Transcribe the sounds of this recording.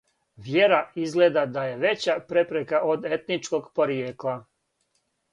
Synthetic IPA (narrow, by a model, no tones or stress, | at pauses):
ʋje̞ɾaizɡle̞d̪ad̪aje̞ʋe̞t͡ɕapɾe̞pɾekaʔod̪et̪nit͡ʃko̞ɡpo̞ɾijeːklˠa